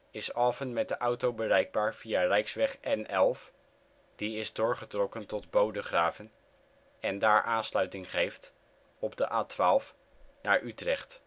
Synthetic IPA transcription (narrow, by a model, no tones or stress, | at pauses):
ɪsɑːfənmɛt̚dəʔʌwtowbərɛjɡ̚baːɹv̥ijarɛjksʋɛχɛnɛlˠf | d̥iɪzdʊːɹχətrɔkəntɔdbowdəχraːvən | ɛndaːɹʔaːnslœɥtɪŋχejft | ɔbdəʔaːtʋaːlˠf | naːɹʔytrɛχt